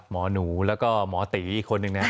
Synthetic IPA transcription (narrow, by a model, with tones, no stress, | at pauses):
t̚mɔː˩˦nuː˩˦lɛː˦˥wkɔː˥˩mɔː˨˩˦t̪iː˩˦i˧˩kʰo˧nːɯ˧ŋna˦˥